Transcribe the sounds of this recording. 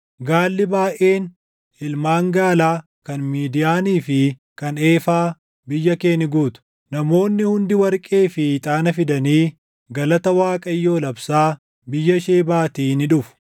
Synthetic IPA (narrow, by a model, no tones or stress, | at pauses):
ɡaːlːɪbaːʔe̞ːn | ɪlmaːŋɡaːlaː | kɐnmiːd̪ɪjaːniːfɪkɐne̞ːfaː | bɪjːɐkeːnɪɡuːt̪ʊ̥ | nɐmo̞ːnːɪhʊnd̪ɪwɐɾkʼeːfɪt̪ʼaːnɐfɪd̪ɐniː | ɡɐlɐt̪ɐwaːkʼɐjːo̞ːlɐbsaː | bɪjːɐʃeːbaːt̪iːnɪᶑʊfʊ̥